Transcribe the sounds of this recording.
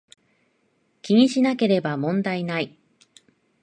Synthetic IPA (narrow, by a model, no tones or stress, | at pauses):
kʲiɲ̟iɕinake̞ɾe̞bamõ̞nd̪ainai